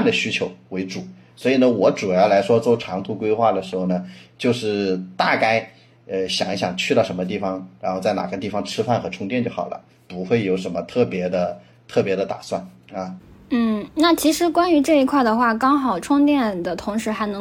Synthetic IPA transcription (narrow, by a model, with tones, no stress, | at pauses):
nd̪ə˩ɕy˥t͡ɕʰjo˧˥ʊwe˧˥ɪʈ͡ʂu˨˩˦ | swɔ˧˥i˨˩nə˦wɔ˧˥ʈ͡ʂu˨˩jɑ˥˩ʊla˧˥ɪʂwɔ˥t͡so˥˩ʊʈ͡ʂʰɑ˧˥ŋt̪ʰu˧˥kwe˥ɪxwa˥˩d̪ə˩ʂɻ̩˧˥xo˧˩ʊnə˩t͡ɕjo˥˧ʊʂɻ̩˥˩t̪a˥˧ka˥˩ɪ | ə˧ɕjɑ̰˨˩ŋi˥˩ɕjɑ̰˨˩ŋt͡ɕʰy˥˧ɑ˥˩ʊʂə˧˥nmə˧t̪̬i˥˩fɑ˨˩ŋɻa˧˥nxo˥˧t͡sa˥˩ɪna̰˨˩ɡə˦t̪̬i˥˩fɑ˧˥ŋʈ͡ʂʰɻ̩˥fa˥˩nxɤ˧˥ʈ͡ʂʰʊ˥ŋt̪̬jɛ˥˧nt͡ɕjo˥˩ʊxɑ̰˨˩ʊlʔə̰˦ | pu˧˥xwe˥˩ɪjo˧˩ʊʂə˧˥nmə˧t̪ʰɤ˥˩pjɛ˧˥d̪ə˧ | t̪ʰɤ˥˩pjɛ˧˥d̪ə˧t̪a̰˨˩swa˥˩n | ɐ˥˩n̩˥˩na˥˩t͡ɕʰi˧˥ʂɻ̩˧˥kwa˥ny˧˥ʈ͡ʂɤ˥˩i˧˥kʰwa˥˩ɪd̪ə˩xwa˥˩kɑ˥ŋxɑ˨˩ʊʈ͡ʂʰʊ˥ŋt̪jɛ˥˩nd̪ə˩t̪ʰʊ˧˥ŋʂɻ̩˧˥xa˧˥ɪnɤ˧˥